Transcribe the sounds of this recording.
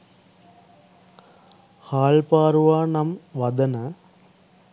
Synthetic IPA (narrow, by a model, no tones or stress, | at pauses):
haːɭpaːɾuʋaːnɐmʋɐd̪ɐnɐ